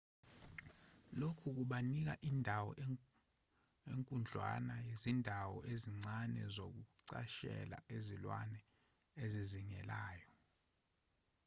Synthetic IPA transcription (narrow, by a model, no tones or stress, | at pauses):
lokʰuk̬uɓanik̬a̰ʔiːndʱawɔ̰ | eŋkʼund͡ɮʱwa̰najezindʱawɔʔeziŋ͡ǀanɛ̰zok̬uǀa̰ʃɛ̰la̰ʔezilwanɛ | eziziŋɛlaːjɔ